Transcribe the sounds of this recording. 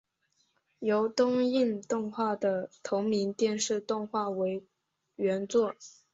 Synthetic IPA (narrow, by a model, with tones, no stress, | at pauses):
jo˧˥ʊt̪ʊ˥ŋi˥˧nt̪ʊ˥˧ŋxwa˥˩d̪ə˩t̪ʰʊ˧˥ŋmi˧˥nt̪jɛ˥˧nʂɻ̩˥˧t̪ʊ˥˧ŋxwa˥˩we˧˥ɪ | ɥɛ˧˥nt͡swɔ˥˩